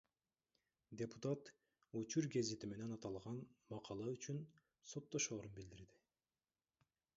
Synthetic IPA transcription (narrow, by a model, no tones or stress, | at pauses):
d̪ʲe̞put̪at̪ | ut͡ʃuɾɡe̞zit̪ime̞ne̞nɑt̪ɑlˠʁɑnmɑqʰɑlˠɑyt͡ʃyn | so̞t̪ːo̞ʃo̞ːɾunbild̪iɾd̪ɪ